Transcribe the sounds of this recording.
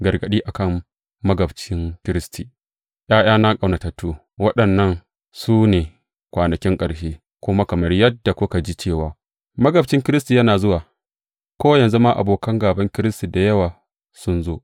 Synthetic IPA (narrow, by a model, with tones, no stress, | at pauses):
ɡɐ˨rɡɐ˨ɗiː˦ʔa˨kɐ˦mː | ɐ˦ɡɐ˨bt͡ʃɪ˦ŋkʲɪ˦ɾɪ˦stʰi˨ | j̰aː˦j̰aː˦na˦kʼa˨wna˨tɐ˨tːuː˦ | wɐ˦ɗɐ˨nːɐ˦ŋ | suː˦neː˨ | kʷaː˨nɐ˨kʲɪ˦ŋkʼɐ˨ɽʃeː˦ | kʷʊ˦ma˦kɐ˨mɐ˦rjɐ˦dːa˨kʷʊ˦ka˨d͡ʒi˦t͡ʃeː˦˨waː˦ | mɐ˦ɡɐ˨bt͡ʃɪ˦ŋkʲɪ˦ɾɪ˦sti˨jɐ˦naː˨zʊ˦waː˨ | kʷoː˦jɐ˨nzu˦maː˦ʔa̰˨boː˨kɐ˦ŋɡaː˨bɐ˦ŋkʲɪ˦ɾɪ˦sti˨da˨jɐ˦waː˨ | sʊ˦nzoː˦ʔ